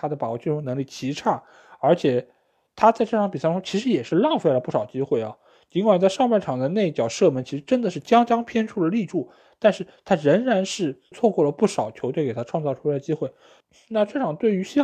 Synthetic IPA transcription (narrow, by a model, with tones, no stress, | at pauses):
t̪ʰa˥d̪ə˩pa˨˩wt͡ɕy˥˩ʈ͡ʂʰʊ˧˥ŋn˧˥ŋli˥˩t͡ɕʰi˧˥ʈ͡ʂʰa˥˩ | ə˞˧˥t͡ɕʰjɛ˨˩ | t̪ʰa˥t͡sa˥˧ɪʈ͡ʂɤ˥˩ʈ͡ʂʰɑ˧˥ŋpi˨˩sʈ͡ʂt͡ɕʰi˧˥ʂ̬ɻ̩˧˥jɛ˨˩ʂɻ̩˥˧lɑ˥˧ŋfe˥˩ɪlə˩pu˥˩ʂɑ˨˩ʊt͡ɕi˥xwe˥˩ɪɐ̰˩ | t͡ɕi˧˥ŋkwa˨˩nt͡sɪʂɑ˥˧ŋpa˥˩ʈ͡ʂʰɑ˨˩ŋd̪ə˦ne˥˧ɪi˥˩t͡ɕjɑ˨˩ʊʂɤ˥˩mə˥nt͡ɕʰi˧˥ʂɻ̩˧˥ʈ͡ʂə˥nd̪ə˨ʂɻ̩˥˩t͡ɕjɑ˥ŋt͡ɕjɑ˥ŋpʰjɛ˥nʈ͡ʂʰu˥˩d̪ə˩li˥˧ʈ͡ʂu˥˩ | t̪a˥˧nʂɻ̩˥˩t̪ʰa˥ɻə˧˥ŋɻa˧˥nʂɻ̩˥˧t͡sʰwɔ˥˧kwɔ˥˩lə˩pu˥˩ʂɑ˨˩ʊt͡ɕʰjo˧˥ʊt̪we˥˩ɪke˨˩ɪa˥ʈ͡ʂʰwɑ˥˧ŋt͡sɑ˥˧ʊʈ͡ʂʰu˥la˧˥d̪ə˩t͡ɕi˥xwe˥˩ɪ | na˥˧ʈ͡ʂɤ˥˩ʈ͡ʂʰɑ˨˩ŋt̪we˥˩ɪy˧˥ɕi˥